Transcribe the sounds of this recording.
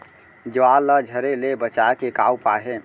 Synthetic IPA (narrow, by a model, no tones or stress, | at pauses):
d͡ʒəwalːəd͡ʒʱəɾelebət͡ʃakekaːupaɦe